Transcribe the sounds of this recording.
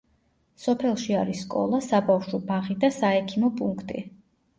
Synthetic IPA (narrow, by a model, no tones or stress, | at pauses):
sɔpʰɛlˠʃiaɾisːkʼɔ̰lˠasabafʃɔbaʁid̪asaɛkʰimɔpʼuŋkʰt̪ʼḭ